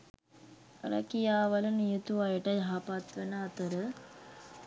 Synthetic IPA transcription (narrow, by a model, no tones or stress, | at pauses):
ə̰ɾə̰kijaːʋəlunijut̪uʋajəʈəjaɦapat̪ʋenəat̪əɾə